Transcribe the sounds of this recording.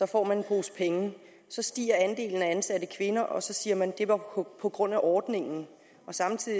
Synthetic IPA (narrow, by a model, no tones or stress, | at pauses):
sɒ̽fɒ̰ːmænenb̥ʁo̝ːspʰeŋə | sɒ̽sd̥ḭːɐænd̥e̝̰ːln̩æænsæɾəkʰʋe̝nɐʔɒ̽sɒ̽siːɐmænd̥e̝ʋɑ̈pʰɒ̽ɡ̥ʁɔ̽n̰æʔɒːd̥ne̝ŋn̩ | ɒ̽sɑ̈mt͡sʰið̰ˠ